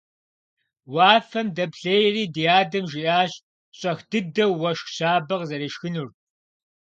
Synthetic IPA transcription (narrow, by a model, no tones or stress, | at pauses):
waːfɐmdɐpɬejriːdijaːdɐmʒiʔaːɕ | ɕʼɐxd̥ɨdɐwːɐʃxɕaːbɐʁzɐɾiːʃxɨnur